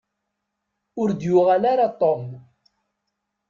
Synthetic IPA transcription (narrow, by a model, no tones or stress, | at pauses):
ʊɾd̪jʊʁalaɾat̪ˤːom